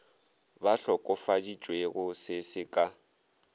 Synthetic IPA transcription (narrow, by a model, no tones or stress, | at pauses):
baɬɔkʼɔfadit͡ʃʼweɣʊsɪsɪkʼa